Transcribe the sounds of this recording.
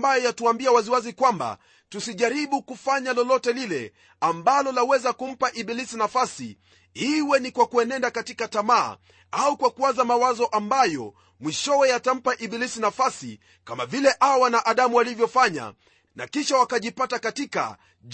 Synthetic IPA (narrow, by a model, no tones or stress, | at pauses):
bajɔjatuambiawaziwazikwamba̰ | tusiʄaɾiɓukufaɲalɔlɔtɛlilɛ | ambalɔlawɛzakum̩paʔiɓilisinafasḭ | hiwɛnikwakuɛnɛndakatikatama̰ː | aukwakuwazamawazɔʔambajɔ | mwiʃɔwɛjatam̩paʔiɓilisinafasḭ | kamavilɛʔawanaʔaɗamuwalivjɔfaɲa̰ | na̰kiʃawakaʄipatakatika̰